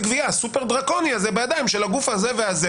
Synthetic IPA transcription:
ɡviasupeʁd̪ʁako̞niazebejad̪ajimʃelaɡufazeveaze

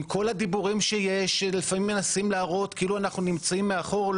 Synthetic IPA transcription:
ko̞lhad̪ibuʁimʃeje̞ʃlefamimːenasimlaːʁo̞t̪kiiluanaχnunimt͡saimːeaχo̞ʁl

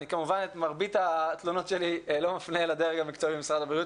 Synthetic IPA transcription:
nikamuvanet̪maʁbit̪at̪lono̞t̪ʃelilo̞mafnelad̪eʁeɡamikt͡soibiemisʁad̪abʁiut

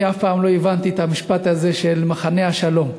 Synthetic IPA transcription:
afpaːmlo̞evant̪iet̪amiʃpat̪haze̞ʃelmaχane̞haʃalo̞m

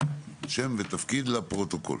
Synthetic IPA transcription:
ʃemvet̪afkid̪lapʁot̪oko̰l

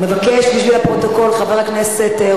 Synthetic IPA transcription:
mevakeʃbiʃvilapʁo̞t̪oko̞lχaveʁakneset̪

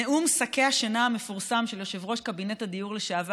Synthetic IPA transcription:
eumsake̞haʃanaame̞fuʁsamʃe̞ljoʃevʁo̞ʃkabinetad̪ijuʁleʃaav

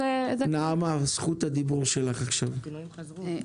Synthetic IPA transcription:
eznaamasχut̪ad̪ibuʁʃelaχaχʃav

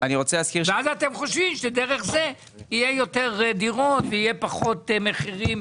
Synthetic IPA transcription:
aniʁo̞t͡seleːskiʁveazat̪e̞mχo̞ʃvimʃed̪eʁeχze | ijejo̞teʁd̪iʁot̪veijepaχo̞t̪meχiʁim

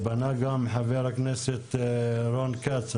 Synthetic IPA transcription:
banaɡamħaveɾakneset̪ɾonkat͡s

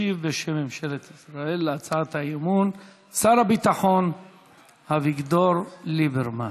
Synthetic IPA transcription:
ivːeʃemːimʃelet̪isɾaelːeat͡saat̪haimun | saɾabit̪aχon | haviɡd̪oɾlibeɾma

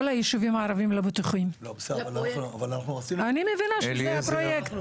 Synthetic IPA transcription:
lajiʃuvimaːɾavimlebit̪uχimlobsvanaavalanaχnuasianimevinaʃapɾojekt̪

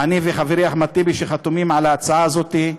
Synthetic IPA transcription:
aniveχaveʁɾiaχmat̪ibiʃeχat̪omimʕalaːt͡saaːzo̞t̪i

